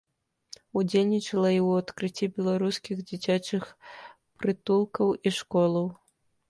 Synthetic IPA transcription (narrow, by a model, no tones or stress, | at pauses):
ud͡zʲelʲnʲit͡ʂɐlˠɐiwat̪kɾɨt͡sʲːibʲɛlˠaɾuskʲiɣd͡zʲit͡sʲat͡ʂɨx | pɾɨt̪ulˠkɐwiʂkɔlˠɐw